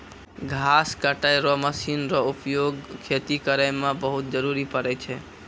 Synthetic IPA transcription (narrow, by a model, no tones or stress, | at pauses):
ɡʱaskəʈajɾɔməsinɾɔupjoɡkʰet̪ikəɾəjmãbəɦut̪̚d͡ʒəɾuɾipəɾɛt͡ʃʰɛ